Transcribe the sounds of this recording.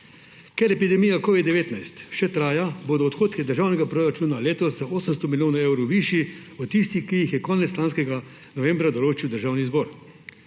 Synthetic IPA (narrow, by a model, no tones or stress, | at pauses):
kɛɾɛpid̪ɛmijakɔːʋid̪d̪ɛʋeːt̪najst̪ʃɛt̪ɾaːjaboːd̪ɔːt̪xoːt̪kɛd̪əɾʒaːwnɛɡapɾoːɾat͡ʃuːnaleːt̪ɔszaoːsəmst̪ɔmiljoːnaewɾowʋiʃiɔtt̪ːist̪ixkijixjɛkɔːnɛt̪st͡ʃlaːnskɛɡa | nɔʋɛ̃mbɾad̪ɔloːt͡ʃiwd̪əɾʒaːwnizbɔːɾ